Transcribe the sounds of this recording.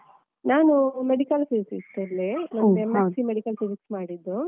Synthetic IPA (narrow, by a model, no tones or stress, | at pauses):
naːnumeɽikɐlsiːsist̪ɐɾlːenɐemesimeɽikɐlsisiksmaːɽid̪ːu